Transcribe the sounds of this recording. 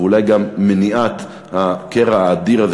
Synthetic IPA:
ulajɡamːeniʔat̪ | hakeʁaaːd̪iʁaz

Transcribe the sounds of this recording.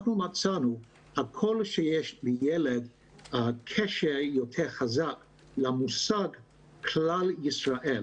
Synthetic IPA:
χnumat͡sanu | hakʰolʃejeʃbəjeled | kʰeʃeʁjotʰeʁχazak | lamusaɡ | kʰlaljisʁaʔel

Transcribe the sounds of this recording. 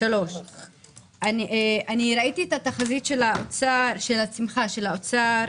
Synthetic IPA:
alo̞ʃ | anieʔaniɾait̪iet̪at̪aχazit̪ʃe̞laot͡saʃelat͡simχaʃe̞laot͡sa

